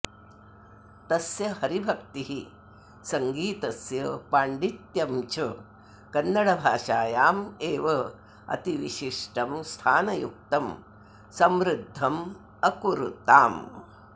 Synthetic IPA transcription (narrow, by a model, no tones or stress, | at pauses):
t̪ɐsjɐhɐɾibʱɐkt̪iɦi | sɐŋɡiːt̪ɐsjɐpaːɳɖit̪jɐmt͡ʃɐ | kɐnːɐɽɐbʱaːʃaːjaːmeːʋɐ | ɐ̰t̪iʋiʃiʂʈɐmst̪ʰaːnɐjuk̚t̪ɐm | sɐmɾɪd̪ʱːɐm | ɐkuɾut̪aːm